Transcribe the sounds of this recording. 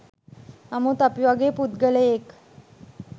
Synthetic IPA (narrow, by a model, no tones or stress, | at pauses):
amut̪apʋaɡepud̪̚ɡəleːk